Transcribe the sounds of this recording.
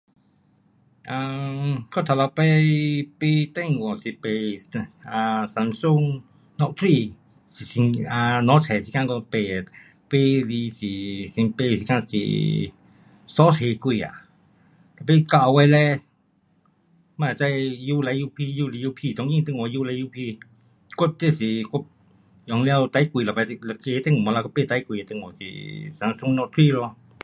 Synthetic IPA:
ã˧ko˦t̪ʰa˧la˧pe˦pi˧t̪e˦ŋɡo˨si˧pe˧sã˧sa˧nsu˦˧ŋ | nɔ̃˧ʔt̪ʰɾi˧ | si˧˨si˧ã˧nɔ̃˨˦t͡sʰe˨si˧kã˦˧ŋɡo˧pe˧˨ | pe˦li˧si˨si˧pe˧si˧kã˧t͡sḭ˧˨ | sɔ˦she˧kʷi˧˨a̰˨ | t̪a˨p̬e˦˧ka˧ʔwɛ˧lɛ˦ | mã˧˨t͡ʃa˧jju˧la˧˦ju˧pʰi˧ju˦˧li˧ju˧pʰi˧˨t̪o˧ŋĩ˦˧t̪e˧ŋõ˧ju˦˧la˧ju˧pʰi˧ | kʷe˦p̚t̪e˧si˧kʷe˦ | jo˧ŋ˧la˧wt̪a˧i˦kʷi˧lo˧pɛ˧la˧ke˧˦t̪e˦˧ŋ˨mõ˧la˧kʷa˦pe˦˧˨t̪a˧jkʷi˧˨a˧t̪e˧ŋõ˨sḭ˧˨sa˧n˧su˧˦nɔ̃˧t̪ʰwi˦lo˧

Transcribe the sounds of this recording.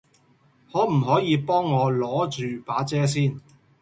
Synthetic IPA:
hɔː˨˥m̩˨˩ɦɔː˨˥jiː˨˧pɔː˥ŋːɔː˨˧lɔː˨˥t͡ʃyː˨paː˨˥t͡sɛː˥s̬iː˥˩n

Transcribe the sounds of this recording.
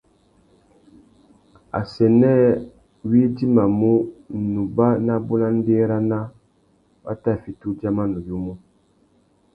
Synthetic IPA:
a̰˨sɛ˨nɛ˦ | wi˦di˦ma˨mu˦˨nu˨ba˦na˦bu˦la˦n̩˦de˦ɾa˦na˦ | ba̰˦ta˦˨fi˨tu˦d͡ʒa˦ma˦nu˨ju˦mu˦

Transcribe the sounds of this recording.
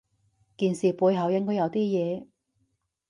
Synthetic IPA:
kiː˨nsiː˨puː˨˧jɦɐ˨˥wjɪ˥ŋkɔː˥jɐ˨˧wt̪iː˥jɛː˨˧

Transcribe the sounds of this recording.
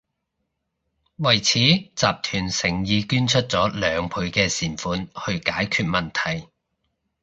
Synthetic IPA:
wɐ˨˩jt͡sʰiː˨˥t͡saː˨p̚t̪ʰyː˨˩nsɪ˨˩ŋjiː˨˧kyː˥nt͡ʃʰɵ˥t̚t͡sɔː˨˥lœː˨˧ŋpʰuː˨˧ɥkɛː˧siː˨˩nfuː˨˧nhɵ˧ɥkaː˨˥jkʰyː˧t̚mɐ˨nt̪ʰɐ˨˩j

